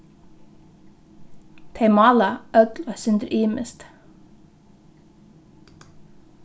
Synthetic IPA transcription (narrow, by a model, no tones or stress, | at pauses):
t̪ʰeɪmɑːlɑʔœɡlɑsʏnd̪ɾʔiːmə̰st̪